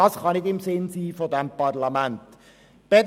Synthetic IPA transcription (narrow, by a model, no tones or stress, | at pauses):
ɑsχɑnɪdɪmsɪnsiːfodɛmpɑrlɑmænt | b̥ɛd